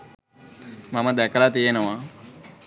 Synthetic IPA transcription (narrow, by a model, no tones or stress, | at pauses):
mamad̪ɛkəlat̪ijenəʋa